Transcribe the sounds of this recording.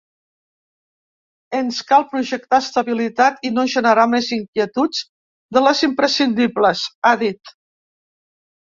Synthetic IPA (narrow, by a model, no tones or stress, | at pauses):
ənskalˠpɾuʒək̚t̪ast̪əβilit̪at̪inoʒənəɾameziŋkjiət̪ud͡z | d̪ələzimpɾəsind̪ibləsaðit̪